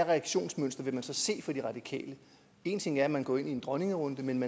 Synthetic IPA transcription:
ʁɛɑɡ̥ɕo̝̰ːnsmøn̰sd̥ɐʋe̝mænsɒ̽se̝̰ːfɒ̽d̥iʁɑ̈d̥ikʰɛ̰ːlə | e̝ːnt͡sʰe̝ŋ̰æɐæmænɡ̥ɒ̰ːe̝nie̝nd̥ʁɒ̽ne̝ŋəʁɔ̽nd̥əmenmæ

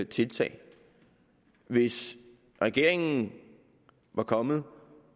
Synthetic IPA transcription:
t͡sʰe̝lt͡sʰɛ̰ːɪ | ʋe̝s | ʁɛɡ̥e̝ɐ̰e̝ŋn̩ | ʋɑ̈kʰɒ̽mð̩ˠ

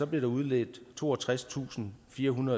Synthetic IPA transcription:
ɒ̽b̥le̝ɾ̥ɑ̈uð̞ˠlḛːd̥t͡sʰo̝̰ːɒt͡sʰʁast͡sʰṵːsn̩fiːɐɦunɐðˠ

